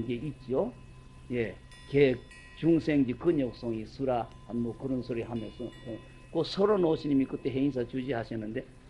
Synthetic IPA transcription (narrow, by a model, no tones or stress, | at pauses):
nɡeit̚t͡ɕ͈io | je̞ | kek | t͡ɕuŋsʰeŋd͡ʑikɯnjok̚s͈ʌŋisʰuɾahanmokɯɾʌnsʰoɾiɦamjʌnsʰoe | kosʰʌɾonoɕʰiɲimikɯt͈e̞ɦeins̬ʰat͡ɕud͡ʑihaɕʰinːɯnd̪e̞